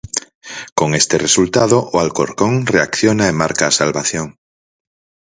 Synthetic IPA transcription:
koŋest̪eresult̪að̞oʔoalko̰ɾkoŋreakθjonaemːaɾkaːsalβaθjoŋ

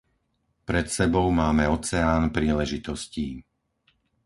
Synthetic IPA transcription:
pɾɛt̪sɛbɔʊmaːmɛɔt͡sɛaːnpɾiːlɛʒit̪ɔsciː

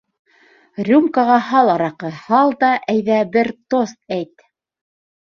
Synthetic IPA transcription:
rʲumkaʁɑhɑlˠɑɾɑqɤhɑlˠd̪ɑʔæjðæbɘɾt̪ost̪̚æjt̪

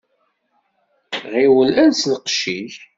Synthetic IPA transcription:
ʁiwəlænslqʃiʒ

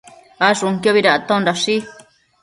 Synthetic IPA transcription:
aʂuŋkjoβiɾaʔat̪ãũndaʂi

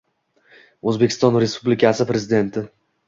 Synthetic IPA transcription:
ɵzbekʲʰːɪst̪ɒnɾe̞spʰublɪkʲʰasɪpɾe̞zɪd̪e̞nt̪ʰɪ

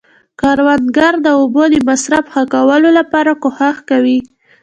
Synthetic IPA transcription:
kɑɾwand̪ɡaɾd̪əobod̪əmasɾafxəkawəlolapɑɾakohaxkawi

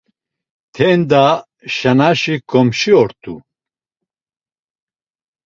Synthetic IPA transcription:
t̪ʰɛnd̪a | ʃanaʃikʰɔmʃiɔɾt̪ʰu

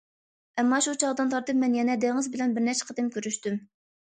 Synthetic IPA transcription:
ʔɛmːɑʃut͡ʃʰɑʁd̪ɨnt̪ʰɑɾt̪ɨp̚mɛnjɛnɛd̪eŋɨzbɪlɛnbɪɾnɛɾt͡ʃʰɛ̥qʰəd̪ɨmkʲøɾyʃt̪ym

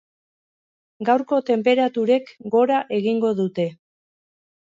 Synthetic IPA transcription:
ɡawɾko̞t̪e̞mpe̞ɾat̪uɾe̞kɡo̞ɾaʔe̞ɣiŋɡo̞ðut̪e̞

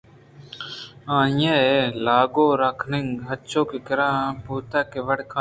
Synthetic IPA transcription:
ãːjẽːelaːɡoːɾaːkʰnɪŋɡɦət͡ʃoːkeːkɪɾãːpuːt̪aːkeːʋəɽkʰa

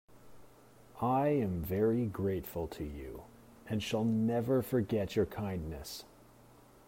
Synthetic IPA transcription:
ʔaɪɨ̃ɱvɛɹiɡɹeɪtfəl̩ˠtʰɨjʉ̰ | ɨ̃nʃəlˠnɛvə˞fə˞ɡɛt͡ʃə˞kʰãɪ̃nːɨs

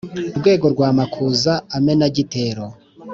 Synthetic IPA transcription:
uɾɡwe̞ːɡo̞ɾɡwaːmakʰuːzaːme̞naɟite̞ːɾo

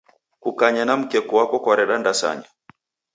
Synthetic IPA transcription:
kukaɲanam̩kɛkuwakɔkaɾɛɗandasa̰ɲa

